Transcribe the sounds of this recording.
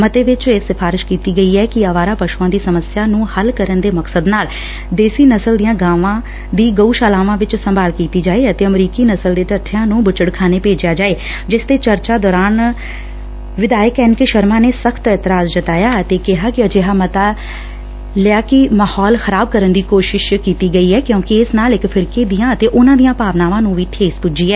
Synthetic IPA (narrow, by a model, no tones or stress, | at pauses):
mət̪eːʋɪt͡ʃeːsɪpʰaːɾɪʃkiːt̪iːɡəiːɛːkɪəʋaːɾaːpəʃuãːd̪iːsəməsɪjaːnũːhəlkəɾənd̪eːməksəd̪naːl | d̪eːsiːnəsəld̪ijãːɡaːʋãː | d̪iːɡəuːʃaːlaːʋãːʋɪt͡ʃsəmbʱaːlkiːt̪iːd͡ʒaːeːət̪eːəmɾiːkiːnəsəld̪eːʈəʈʰːjãːnũːbʊt͡ʃəɽkʰaːneːpeːd͡ʒjaːd͡ʒaːeː | d͡ʒɪsd̪eːt͡ʃəɾt͡ʃaːd̪ɔːɾaːn | ʋɪd̪aːjəkɛːnkeʃəɾmãːneːsəkʰt̪ɛːt̪ɪɾaːzd͡ʒət̪aːjaːət̪eːkɪɦaːkɪəd͡ʒeːɦaːmət̪aː | lɪjaːkɪmahɔːlxəɾaːb̚kəɾənd̪iːkoːʃɪʃkiːt̪iːɡəiːɦɛːkjõːkɪɪsnaːlɪkpʰɪɾkeːd̪ijãːət̪eːʔʊnãːd̪ijãːpaːʋnaːʋãːnũːʋiːʈʰeːspʊd͡ʒiːɛː